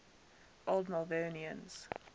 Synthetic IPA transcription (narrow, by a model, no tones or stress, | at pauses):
ʔolˠdmalˠveniə̰̃nz̥